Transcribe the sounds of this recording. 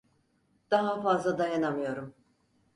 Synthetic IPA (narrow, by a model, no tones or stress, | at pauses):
d̪̥aɦafazlˠad̪ajanamɯjo̞ɾum